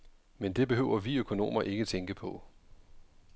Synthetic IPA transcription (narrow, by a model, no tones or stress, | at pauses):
mend̥e̝b̥e̝ɦøʊ̰ɐʋiøkʰo̝no̝̰ːmɐʔe̝ɡ̥ət͡sʰeŋɡ̥əpʰɒ̽